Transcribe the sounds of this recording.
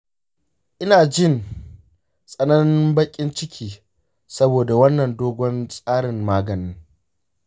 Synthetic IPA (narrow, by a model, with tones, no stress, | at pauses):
ʔɪ˦naː˨d͡ʒɪ˦˨n | sʼɐ˦nɐ˦nɪ˦mbɐ˦kʲʼɪ˦nt͡ʃɪ˦kʲʰiː˨ | sɐ˦boː˨da˨wɐ˦nːɐ˨ndoː˦ɡʷɔ˦nsʼaː˦ɽɪ˨mːaː˦ɡɐ˨nɪ˦ŋ